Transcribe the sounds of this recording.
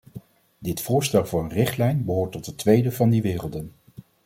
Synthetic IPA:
dɪtfʊːɹstɛlˠvʊːɹənrɪχtlɛjnbəɦoːɹtɔtətʋejdəvɑndiʋɪːrəlˠdən

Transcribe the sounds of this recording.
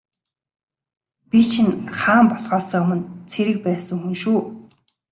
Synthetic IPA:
pʲit͡ɕʰinχaːmpɔɮχɔːsœːʊmə̆nt͡sʰeɾɘ̆k̚pæːsə̆ŋxunʃuː

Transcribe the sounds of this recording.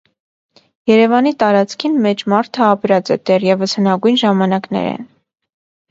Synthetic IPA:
jɛɾɛvɑnit̪ɑɾɑt͡skʰinmɛt͡ʃmɑɾt̪ʰəɑpɾɑt͡sɛ̰d̪ɛrjɛvəshənɑɡujnʒɑmɑnɑknɛ̰ɾɛ̰n

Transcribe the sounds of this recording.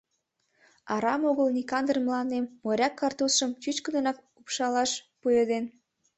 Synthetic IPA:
ɑɾɑmoɣəlnʲikɑnd̪ərmlɑnd̪emːoɾʲɑkːɑrt̪usʃəmt͡ɕyt͡ɕkə̆d̪ə̆nɑk̚ | upʃɑlɑʃ | pujed̪en

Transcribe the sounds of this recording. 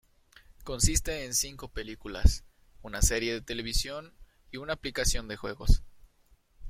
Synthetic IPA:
ko̞nsist̪e̞ːnsiŋko̞pe̞likula̰s | unase̞ɾje̞ðe̞t̪e̞le̞β̞isjo̞n | iunaːplikasjo̞nd̪e̞xwe̞̰ɣo̞̰s

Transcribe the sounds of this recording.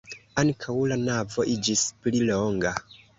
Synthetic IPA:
aŋkʰawlanavo̞ʔid͡ʒispliloŋɡa

